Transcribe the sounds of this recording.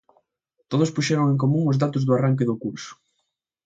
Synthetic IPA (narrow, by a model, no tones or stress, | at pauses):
t̪oð̞ʊspuʃɛɾoŋẽŋk̬omũŋʊzðat̪ʊzðʊaraŋk̬eðʊkuɾsʊ̥